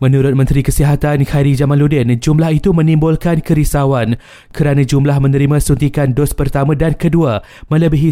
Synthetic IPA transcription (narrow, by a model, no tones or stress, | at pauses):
mə̃nũɾʊt̪̚mə̃nt̪ɾikəsiɦat̪ankʰajɾid͡ʒamãnludɛnd͡ʒumlahit̪umə̃nĩmbʊlkankəɾisawan | kəɾanãd͡ʒumlahmə̃nə̃ɾimãsunt̪̬ikandospərt̪amãdankədua | mə̃ləbiɦi